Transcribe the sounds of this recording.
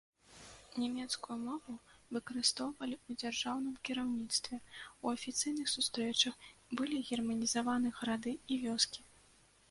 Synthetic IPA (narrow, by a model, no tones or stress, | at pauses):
nʲɛmʲɛt̪skujumɔvuvɨkɐɾɨst̪ɔwvɐlʲiud͡zʲarʐawnɨmkʲiɾawnʲit̪st̪vʲɛuɐfʲit̪sɨjnɨxsust̪ɾɛt͡ʂɐxbɨlʲiɣʲɛrmɐnʲizavanɨɣɾad̪ɨivʲɔskʲi̥